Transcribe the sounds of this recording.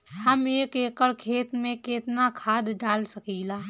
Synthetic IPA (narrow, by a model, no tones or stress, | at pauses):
həmeːkeːkəɾkʰeːt̪mẽkeːt̪nakʰaːd̪ɖaːlsəkiːlaː